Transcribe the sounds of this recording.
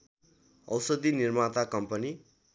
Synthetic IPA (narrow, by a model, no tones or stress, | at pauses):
ʌ̰wsʌd̪inirmat̪akʌmpʌni